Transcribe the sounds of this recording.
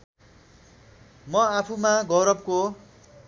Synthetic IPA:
mʌapʰumaɡʌwɾʌb̚ko

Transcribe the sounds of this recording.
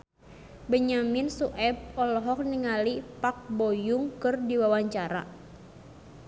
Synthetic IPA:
bəɲaminsuʔɛb̚ɔlɔɦɔk̚niŋalipak̚bojuŋkɨrdiwawaɲt͡ʃaɾa̰

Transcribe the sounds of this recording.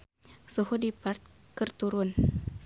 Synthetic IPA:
sohodipart̪̚ | kərt̪uɾʊn

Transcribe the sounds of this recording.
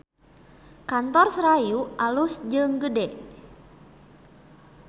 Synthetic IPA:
kant̪ɔrsɾajuʔalusd͡ʒɨŋɡədɛ

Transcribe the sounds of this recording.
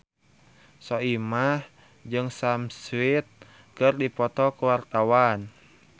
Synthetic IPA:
sɔimah | d͡ʒɨŋsamswit̪̚ | kɨrdipɔt̪ɔkəwart̪awan

